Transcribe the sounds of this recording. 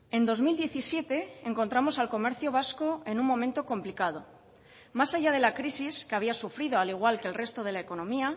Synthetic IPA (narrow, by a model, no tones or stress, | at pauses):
ẽ̞nd̪o̞zmild̪je̞θisje̞t̪e̞eŋkont̪ɾamo̞salko̞me̞ɾθjoβ̞asko̞e̞nummõ̞mẽnt̪o̞ko̞mplikað̞o̞ | masaʝað̞e̞lakɾisiske̞aβiasufɾið̞o̞aliɣ̞walkelre̞st̪o̞ð̞e̞lae̞ko̞no̞mia